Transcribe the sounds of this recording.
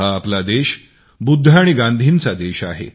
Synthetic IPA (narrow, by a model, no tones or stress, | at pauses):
aːplad̪eɕ | bud̪ʱːaːɽ̃iɡãnd̪ʱiːnt͡sad̪eɕa̰ɦḛ